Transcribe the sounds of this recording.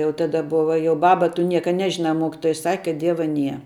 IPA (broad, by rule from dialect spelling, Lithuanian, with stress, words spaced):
jɛʊ ˈtɑːdɐ ˈbʊʋɐ jɛʊ ˈbɑːbɐ tʊ ˈnʲiɛkɐ ˈnʲæːʒʲɪnɐ ˈmoːkʲɪtoːjɛ sɐkʲ kɐt ˈdʲiɛʋɐ ˈnʲiɛ